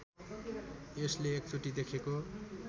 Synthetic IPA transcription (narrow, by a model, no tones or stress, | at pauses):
esleek̚t͡suʈid̪ekʰeko